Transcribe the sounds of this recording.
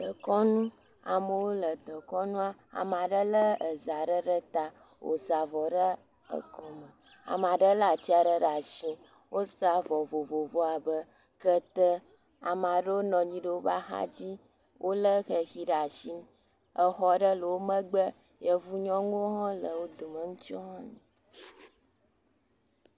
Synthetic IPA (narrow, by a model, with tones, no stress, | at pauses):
d̪ə˨kɔ˦nũ˦ | a˨mə˨wo˦lə˨d̪ə˨kɔ˦nũ˦a˦a̰˨m˨a˨ɖə˦lə˦ə˨za˨ɖə˦ɖə˦t̪a˦ | wo̰˨za˨vɔ˨ɖə˦ | ə̰˨kɔ˨mə˨ | a̰˨m˨a˨ɖə˦la˨t͡ɕi˦a˨ɖə˦ɖa˨ʃĩ˦ | wo˦sa˨vɔ˨vo˨vo˨vɔ˦a˨bə˦ | kə˦t̪ə˦ | a˨ma˨ɖə˦wo˦nɔ̃˨ɲĩ˦ɖə˦wo˦ba̰˦xa̰˦d͡ʑi˦ | wʔo˦lə˦xə˨xi˦ɖa˨ʃi˦ | ə˨xɔ˦ɖə˦lə˨wo˦mə̃˦ɡ͡bə˦ | jə˦vu˦ɲɔ̃˦ŋu˦ɦɔ̃˦lə˨wo˦d̪o˨mə˨ŋũ˦t͡ʃɔ˦ɦɔ̃˦ɲĩ˨